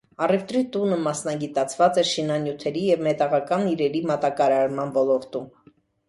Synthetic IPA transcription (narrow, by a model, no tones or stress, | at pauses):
ɑrɛft̪ɾit̪unəmɑsnɑɡit̪ɑt͡sʰvɑt͡sɛɾʃinɑnjut̪ʰɛɾijɛvmɛt̪ɑʁɑkɑniɾɛɾimɑt̪ɑkɑɾɑɾmɑnvɔlɔɾt̪um